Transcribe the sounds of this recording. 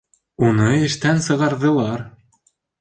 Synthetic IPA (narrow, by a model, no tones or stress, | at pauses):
unɤɘ̆ʃt̪ænsɤ̆ɣɑrðɤ̆lˠɑr